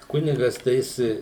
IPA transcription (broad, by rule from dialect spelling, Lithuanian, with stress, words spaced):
ˈkʊnʲɪɡɐs tɐɪ ˈjɪs